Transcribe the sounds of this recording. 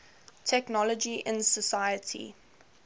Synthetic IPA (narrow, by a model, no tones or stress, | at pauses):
tʰɛknɔləd͡ʒiʔɪ̃nsəsaɪjətʰḭ